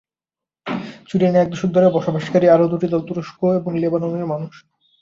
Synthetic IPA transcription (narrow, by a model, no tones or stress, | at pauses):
t͡ɕuʈeneɛk̚d̪oʃok̚d̪ʱoɾebɔʃobʱaʃkaɾiaɾod̪uʈid̪ɔlt̪oɾoʃkʰoeboŋlebanoneɾmanuʃ